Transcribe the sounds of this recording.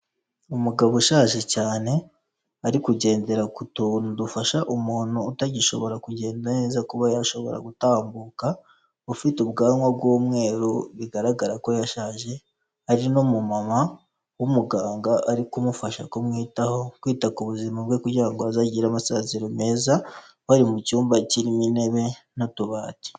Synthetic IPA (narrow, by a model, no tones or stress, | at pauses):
umuɡaβuʃaːʒe̞caːne̞ | aɾikuɟe̞ːnde̞ɾakutundufaʃaʔumuːn̥huːtaɟiʃo̞̰βo̞ɾakuɟe̞ːndane̞ːzakuβajaʃo̞βo̞̰ɾa̰ɡutaːmbuːka | ufitubɡaːŋɡwabɡwuːmŋe̞ːɾuβiɡaɾaɡaɾako̞jaʃaːʒe̞ | haɾinomumama | wumuɡaːŋɡaʔaɾikumufaʃa̰komŋiːtaho̞kwiːtakuβuzimabɡe̞kuɾɟiɾaŋɡoazaɟiːɾamasaːziɾome̞ːza | waɾimucuːmbaciɾimine̞βe̞notuβaːti̥